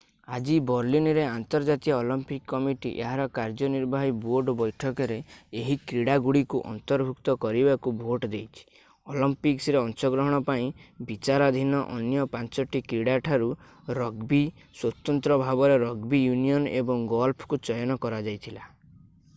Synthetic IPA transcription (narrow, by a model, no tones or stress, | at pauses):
ad͡ʒibɔɾlinɾeant̪ɔɾd͡ʒat̪ijɔolɔmpikːɔmiʈḭʔeɦaɾɔkaɾd͡ʒɔniɾbʱaɦiboɾɖbɔjʈʰɔkɔɾeːɦikɾiɽaɡuɽikuʔɔ̰nt̪ɔɾbʱukt̪ɔkɔɾibakubʱoʈd̪ejt͡ʃʰi̥ | olɔmpiksɾeɔnt͡ʃɔɡɾɔɦɔɽ̃ɔpaĩbit͡ʃaɾɔd̪ʱinɔʔɔnjɔpant͡ʃɔʈikɾiɽaʈʰaɾu | ɾɔɡbi | swɔt̪ɔnt̪ɾɔbʱabɔɾeɾɔɡbijunijɔnebɔŋɡɔlpʰɔ̥kut͡ʃɔjɔnɔkɔɾad͡ʒajt̪ʰila